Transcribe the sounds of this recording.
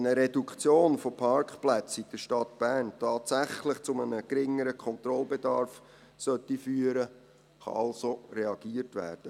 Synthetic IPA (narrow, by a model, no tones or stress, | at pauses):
nəɾedukt͡sjoːnfopʰɑɾkχplæt͡sitd̥əʃtɑt̪b̥æːrntʰɑːtsæχlɪχt͡sʊmənəɡ̥ɾɪŋːəɾəkʰɔnt̪rɔlbedɑɾf | sœtːifyːəɾə | χɑ̰ɑlsoreɑɡ̥iːərtʋæ̰ːrd̥ə